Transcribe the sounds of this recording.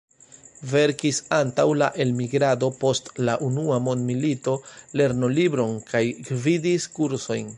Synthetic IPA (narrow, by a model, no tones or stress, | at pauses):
ve̞ɾkisantawla̰ʔe̞lmiɡɾado̞po̞stlaʔunuamo̞ndmilito̞le̞ɾno̞libɾo̞nkajɡvidiskuɾso̞jn